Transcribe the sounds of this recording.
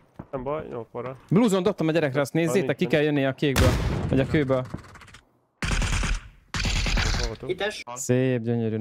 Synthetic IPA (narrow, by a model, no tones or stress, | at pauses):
bjo̰oɾbluːzod̪o̞p̚t̪ɒmɒɟɛɾɛkɾɛɒst̪neːzːeːt̪ɛkːikɛljønːijɛɒkeːɡbøːlvɒɟɒkøːbøːl | it̪ɛʃseːb̚ɟøɲøɾyː